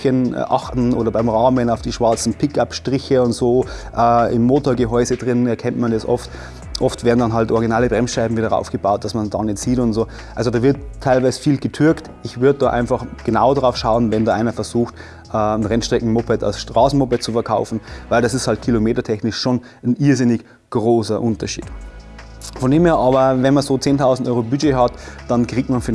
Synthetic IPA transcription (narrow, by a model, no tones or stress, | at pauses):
ən̰ʔa̰xtn̩ʔoːɾɐbaɪmʁaːmənaʊfd̥iːʃv̥aɐt͡sn̩pʰɪkapʃtʁ̥ɪçəʊntz̥oː | ʔɛːɪ̰mːoːtoːɐɡəɦɔʏzədʁɪnnɛɐkʰɛntmandɛsʔɔ̰ft | ʔɔftv̥eːɐdn̩danɦaltʔɔɐʁɡinaːləbʁɛnsʃaɪbm̩viːdɐʁa̰ʊfɡ̥əbaʊt̚d̥asmandɑnɪt͡siːtʊntz̥oː | ʔalzodɑːvɪɐttʰːaɪlvaɪzəfiːlɡətʰʏɐkt | ɪçvʏɐdədaːʔa̰ɪnfaχɡ̥ənaʊdʁaʊfʃaʊənvɛndɑːʔa̰ɪnmafɛɐzuːxt | ʔəːn̩ʁɛnʃtʁ̥ɛkŋ̩mopɛta̰ʊsʃtʁaːsn̩mopɛt̚t͡sufɛɐkʰaʊfn̩vaɪldasɪsthalt̚kʰilomeːtɐtʰɛçnɪʃʃoːn | nʔiɐzɪnɪç | ɡ̥ʁoːsɐʔʊntɐʃḭːt | fɔndeːmheːɐʔɑːbɐvɛnmanzoːt͡seːntʰaʊzn̩tʔɔʏʁobyd͡ʒeːɦɑtd̥ɑnkʁ̥iːk̚tmanfyː